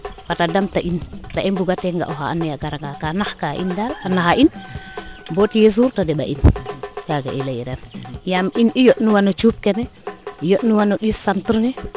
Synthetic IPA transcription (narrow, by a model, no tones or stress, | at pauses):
fatadamtaʔintaʔimbuɡatɛŋɡa̰ʔɔɦaanːɛjaɡaɾaŋɡakanaxkaʔḭndalanaxaʔin | botijes̬uɾtadɛɓa̰ʔinkaɡa̰ʔilajiɾanjaminijotnuwanot͡ʃup̚kɛnɛjotnuwanoɗisːantɾnɛ